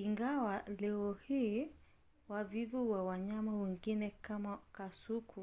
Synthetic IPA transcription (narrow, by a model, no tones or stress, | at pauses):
iŋɡawalɛɔhiː | wavivuwawaɲamawɛŋɡinɛkamakasukʰu